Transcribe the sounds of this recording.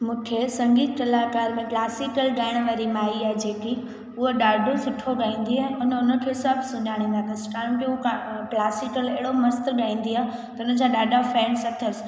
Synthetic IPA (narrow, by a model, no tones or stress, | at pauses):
mũːkʰesɐ̃ŋɡiːt̪̚ʰt̪ɐlaːkaːɾmẽklaːsɪkəlɡaːɪɽ̃ʋaːɾimaːiaːɦed͡ʑeːki | ʊɦoɗaːɖʱosʊʈʰoɡaːĩːn̆d̪iaʊnəʊnə̆kʰesabsʊɲʄʱaːɽ̃ĩːnd̪at̪ʰɐskaːʊ̃keklaːsɪkəleɦɪɽomɐst̪ɠaːĩːn̆d̪iaː | t̪ɐʊnə̆d͡ʑaɗaːɖʱafɛ̃ːnsɐt̪ʰəs